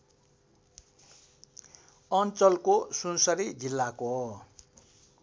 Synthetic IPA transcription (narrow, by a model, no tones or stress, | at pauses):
ʌnt͡sʌlkosunsʌɾid͡zilːako